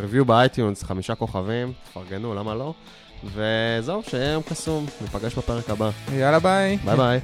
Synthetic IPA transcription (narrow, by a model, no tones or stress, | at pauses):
ʁivjubeajt̪junsχamiʃako̞χavimtfaʁɡe̞nulamalo̞ | ve̞zeuʃejejomkasumnipaɡeʃbape̞ʁe̞kabajalabajbajbaj